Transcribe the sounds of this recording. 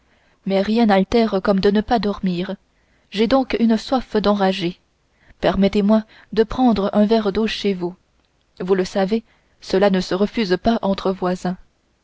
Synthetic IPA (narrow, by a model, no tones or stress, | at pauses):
mɛʁjɛ̃nalt̪ɛʁkɔmd̪ənəpad̪ɔʁmiːʁ | ʒed̪ɔ̃kynswafd̪ɑ̃ʁaʒe | pɛʁmɛt̪emwa | d̪əpχɑ̃d̪ʁəʔɛ̃vɛʁd̪oʃevu | vuləsave | səlanəsəʁəfyzpaʔɑ̃t̪χəvwazɛ̃